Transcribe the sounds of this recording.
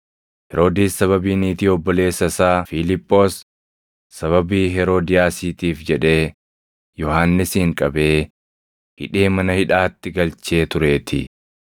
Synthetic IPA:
hɛɾo̞ːd̪iːsːɐβɐbiːniːt̪iːɔbːɔle̞ːsːɐsaːfɪlɪpʼːo̞ːsː | ɐβɐbiːɦɛɾoːd̪ɪjaːsiːt̪iːfd͡ʒɛᶑe̞ː | jɔhaːnːɪshːŋkʼɐbe̞ː | hɪᶑeːmɐnɐhɪᶑaːt̪ːɪɡɐlt͡ʃe̞ːt̪ʊɾe̞ːt̪ʰɪ̰

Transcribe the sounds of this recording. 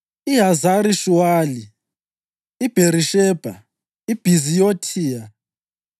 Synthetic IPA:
iɦazaɾiʃuwaːli | ib̥ʱeɾiʃɛb̥ʱa̰ | ib̥ʱizijotʰiːa

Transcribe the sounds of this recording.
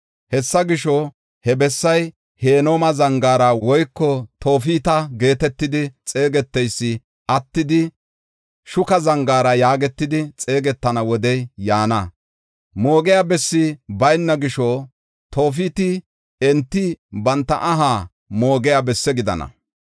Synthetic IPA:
hɛsːɐɡɪʃɔ | hɛbɛsːɐj | he̞ːnoːmɐzɐŋɡaːɾɐwɔjkːɔt̪ʰo̞ːfiːt̪ɐɡe̞ːt̪ɛt̪ːɪd̪ɪt͡sʼe̞ːɡɛt̪ːɛjsːɪ | ʔɐt̪ːɪd̪ɪ | ʃʊkɐzɐŋɡaːɾɐjaːɡɛt̪ːɪd̪ɪt͡sʼe̞ːɡɛt̪ːɐnɐwɔd̪ɛjjaːnɐ | mo̞ːɡɛjabɛsːɪbɐjnːɐɡɪʃɔ | t̪o̞ːf̬iːt̪ɪ | ɛnt̪ːɪbɐnt̪ːɐ̰ʔɐɦaː | moːɡɛjabɛsːɛɡɪd̪ɐ̰nɐ̰

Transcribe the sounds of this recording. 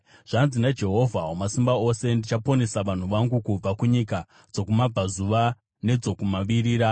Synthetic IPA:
ʐ̥anzinad͡ʒe̞ɦo̞vʱawomasimbao̞se̞ndit͡ʃapo̞ne̞saʋan̤uʋaŋɡukub͡vakuɲika | d͡zo̞kumab͡vazuʋa | ne̞d͡zo̞kumaʋiɾiːɾa

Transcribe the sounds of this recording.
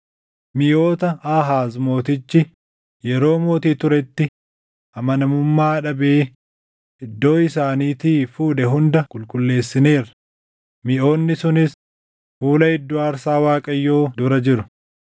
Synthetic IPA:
mɪʔo̞ːt̪ɐaːɦaːzmo̞ːt̪ɪt͡ʃːɪ | jɛɾo̞ːmo̞ːt̪iːt̪ʊɾɛt̪ːɪ | ʔɐmɐnɐmʊmːaːᶑɐbe̞ː | ʔɪd̪ːo̞ːɪsaːniːt̪iːfuːᶑɛɦʊnd̪ɐkʼʊlkʼʊlːe̞ːsːɪne̞ːɾɐ | mɪʔo̞ːnːɪsʊnɪs | fuːlɐɪd̪ːoːɐɾsaːwaːkʼɐjːo̞ːd̪ʊɾɐd͡ʒɪɾʊ

